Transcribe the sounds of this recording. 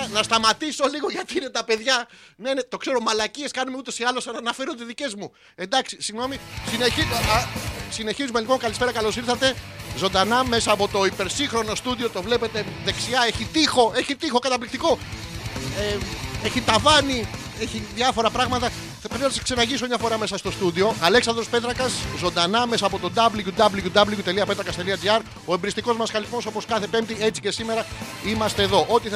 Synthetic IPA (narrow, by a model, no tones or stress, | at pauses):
nɐst̪ɐmɐt̪iso̞liɣo̞ʝɐt̪iine̞t̪ɐpe̞ðʝɐnenet̪o̞kse̞ɾo̞mɐlɐcie̞skɐnumeut̪e̞siɐlo̞sɐnɐnɐfe̞ɾot̪izðice̞zmu | e̞nd̪ɐksisiɣno̞misinei | sine̞çizume̞lipo̞ŋkɐlispeɾɐkɐlo̞siɾθɐt̪e̞ | zo̞nd̪ɐnɐme̞sɐːpo̞t̪o̞ipe̞ɾsiŋxɾo̞no̞st̪uðio̞t̪o̞vle̞pe̞t̪e̞ðe̞ksiɐe̞çit̪ixo̞e̞çit̪ixo̞kɐt̪ɐplik̚t̪iko̞ | eeçit̪ɐvɐni | eçiðɐfo̞ɾɐpɾɐɣmɐt̪ɐ | ɾinɐt̪sɐ̥kse̞nɐʝisomɲɐfo̞ɾɐme̞sɐst̪o̞st̪uðio̞ʔɐle̞ksɐnd̪ɾospe̞t̪ɾɐkɐszo̞nd̪ɐnɐme̞sɐːpo̞t̪o̞d̪ɐblʝud̪ɐbluʝud̪ɐbluʝut̪e̞liɐpe̞t̪ɾɐkɐst̪e̞liɐd͡ziɐɾ | o̞embɾist̪iko̞zmɐsxɐliθmo̞so̞po̞skɐθe̞pe̞mp̚t̪iet͡si̥ce̞sime̞ɾɐ | imɐst̪e̞ːðo̞ʔo̞t̪i